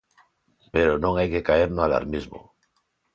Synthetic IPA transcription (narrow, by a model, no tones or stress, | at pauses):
peɾonõŋajkekaeɾnoala̰ɾmizmo̰